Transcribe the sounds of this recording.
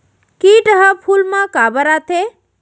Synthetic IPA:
kiʈəɦəpʰulmãkabəɾat̪ʰe

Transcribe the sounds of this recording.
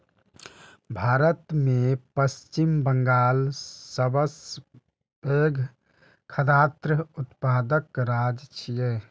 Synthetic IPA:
bʱaːɾət̪mepəst͡ʃimbəŋɡaːlsəbəs | eɡʱ | kʰəd̪aːt̪ɾəut̪paːd̪əkɾad͡ʒt͡ʃʰije

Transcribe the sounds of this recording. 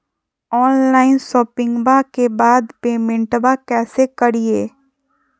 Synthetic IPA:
ɔːnlaːɪnʃɔːpɪ̃ŋɡbakebaːd̪peːmɪ̃ɳʈbakɛːsekəɾieː

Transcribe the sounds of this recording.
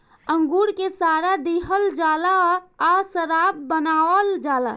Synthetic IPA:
əŋɡuɾkesaɾad̪eɦəld͡ʒalaasəɾab̚bənaəld͡ʒala̰

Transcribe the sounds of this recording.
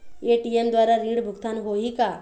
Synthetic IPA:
eʈiemd̪ʋaːɾaɾĩɽbʱukt̪anɦoɦika

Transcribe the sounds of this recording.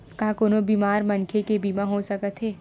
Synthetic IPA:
kaːkoːnobiːmaːɾmɐnkʰekebiːmãɦosɐkət̪ɦɛː

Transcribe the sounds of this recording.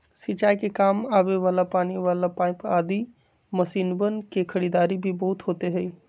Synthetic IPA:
sit͡ʃaːikekaːmaːʋeʋaːlapaːniʋaːlapaːɪpaːd̪i | mɐsiːnbənkekʰɐɽiːd̪aːɾibʱibɐɦʊt̪ɦoːt̪eɦɛi

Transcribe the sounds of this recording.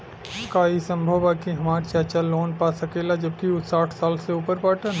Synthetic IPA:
ʊskaisə̃mbʱəʋakiɦɐmaːɾt͡ʃaːt͡ʃaloːnpasəkelad͡ʒəb̚kiʊsaːʈʰsaːlseuːpəɾpaːʈən

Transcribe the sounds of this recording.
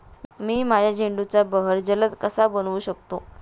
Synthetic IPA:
miːmajad͡ʑʱeɳɖut͡sabəɦəɾd͡zələt̪kəsabənʋuːɕək̚t̪o

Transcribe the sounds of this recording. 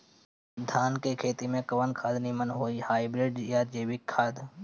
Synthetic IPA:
d̪ʱaːnkekʰeːt̪imẽkɐʋənkʰaːd̪nimənɦoːihaːibɾɪɖjaːd͡ʒeːʋɪkʰːaːd̪

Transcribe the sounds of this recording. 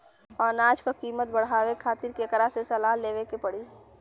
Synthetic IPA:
ɔːɾnaːd͡ʒkakiːmət̪̚bəɽ̤aːwekʰaːt̪ɪɾkekəɾasesəlaːɦleːʋekepəɽi

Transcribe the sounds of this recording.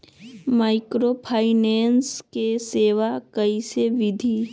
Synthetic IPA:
maːɪkɾopʰaːɪneːnskeseːʋakɐiseʋɪd̪ʱi

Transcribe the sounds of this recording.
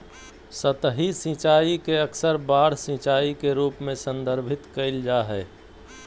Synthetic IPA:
sət̪ɦisĩːt͡ʃaːikeəksəɾbaːɽ̤sĩːt͡ʃaːikeɾuːpmẽsə̃nd̪ʱəɾbʱɪt̪kəɪld͡ʒaːɦɛː

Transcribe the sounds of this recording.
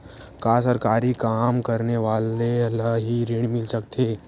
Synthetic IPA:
kaːs̬əɾkaːɾikaːmkɐɾneʋaːleɐlaɦiɾɪɽ̃mɪlsɐkt̪ʰe

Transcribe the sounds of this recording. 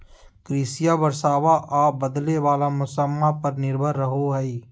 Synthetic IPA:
kɾiːsijabəɾsaːʋaʔaːbəd̪leʋaːlamʊsəmːapɐɾnɪɾbʱəɾːəɦoɦɛi

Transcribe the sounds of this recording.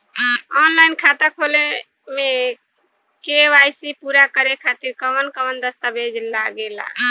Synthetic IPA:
ɔnlajnkʰat̪əkʰole | me | keʋajsipuɾakəɾekʰat̪iɾkəʋənkəʋənd̪əst̪abʱed͡ʒlaɡela̰

